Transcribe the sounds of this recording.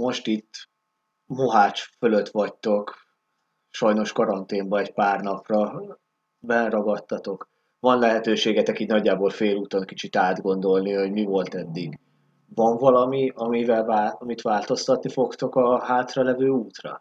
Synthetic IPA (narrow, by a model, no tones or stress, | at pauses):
mo̞ʃt̪it̪ː | moɦaːt͡ʃføløt̪ʋɒct̪o̞k | ʃɒjno̞ʃkɒɾɒnt̪eːmbɒɛcpaːrnɒprɒ | bɛrɒɡɒt̪ːɒt̪o̞k | vɒnlɛɦɛt̪øːʃeːɡɛt̪ɛkiːt̪nɒɟːaːbo̞ːlfeːluːt̪onkit͡ʃit̪aːd̪ɡo̞nd̪o̞lniho̞ɟmivo̞lt̪ɛd̪ːiɡ | vɒɱvɒlɒmiɒmivɛlvaɒmit̪ʋaːlt̪o̞st̪ɒt̪nifo̞kt̪okɒɦaːt̪rɒlɛvøːuːt̪rɒ̰